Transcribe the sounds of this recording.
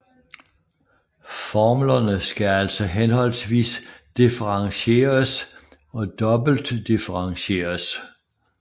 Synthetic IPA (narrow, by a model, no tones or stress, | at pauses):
fɒmlɐnəsɡ̥ææl̰sɒ̽ɦenhɒ̽l̰sʋḭːsd̥ifəʁɑ̈ŋɕe̝̰ːɐs | ɒ̽d̥ɒ̽b̥l̩d̥ːifəʁɑ̈ŋɕe̝̰ːɐs